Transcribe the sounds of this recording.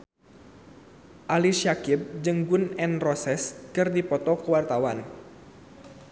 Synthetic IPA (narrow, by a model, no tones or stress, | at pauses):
ʔaliʃiakɪb̚d͡ʒɨŋɡʊnɛnrɔsɛskɨrdipɔt̪ɔkəwart̪awan